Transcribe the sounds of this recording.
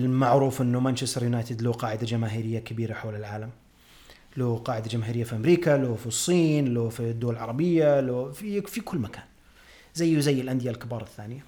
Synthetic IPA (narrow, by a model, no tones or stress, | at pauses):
lmaʕɾuːfʔɪnːʊmant͡ʃɪst̪ɑɾjʊnaːt̪ɪd̪loqɑːʕɪd̪ad͡ʒamaːɦiːɾɪjːakabiːɾaħawlɪlʕaːlam | loqɑːʕɪd̪ad͡ʒamaːɦiːɾɪjːafiʔamɾiːkaloːfisˤːiːnloːfid̪ːʊwalʕɑ̰ɾˤɑbɪjːalofifikʊlːmakʰaːn | zajːzajːɪlʔand̪ɪjalkɪbɑːɾˤɑθːaːnɪja